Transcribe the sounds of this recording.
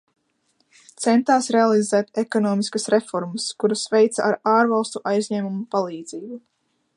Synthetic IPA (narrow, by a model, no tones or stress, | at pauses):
t̪sɛnt̪aːsɾealˠizɛːt̪ekɔnɔːmiskɐsɾefɔɾməskuɾɐsvejt̪saʔaɾaːɾvalˠst̪uʔajzʲɲɛːmumupalˠiːd̪ziːbu